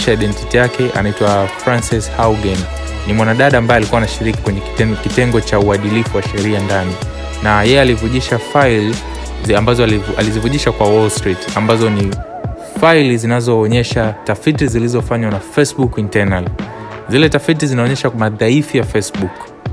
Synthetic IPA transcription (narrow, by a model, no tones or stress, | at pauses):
ʃaajɗɛntitijakɛʔa̰naitwafɾansishawɡɛn | nimwanaɗaɗaːmbaɛalikuwanaʃiɾiki̥kwɛɲɛkitɛŋɡɔt͡ʃauaɗilifuwaʃɛɾiandani | najɛjɛalivuʄiʃafail | ambazɔa̰lizivuʄiʃakwawɔlstɾitambazɔni | fajlizinazɔːɲɛʃatafitizilizɔfaɲwanafɛsɓukintɛnal | zilɛtafit̬izinaɔɲɛʃamaðaifijafɛsɓuk